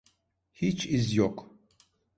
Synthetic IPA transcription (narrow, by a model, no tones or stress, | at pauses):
hit͡ʃʰɪzjɔkʼ